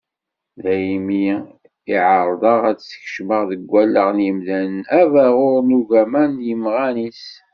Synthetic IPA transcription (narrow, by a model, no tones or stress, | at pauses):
ðæjmi | iʕəɾˤðˤəʁæt͡ssç̥ʃməʁðəɡʷːælːəʁnjəmðænævæʁʊɾnuʝæmænjəmʁænis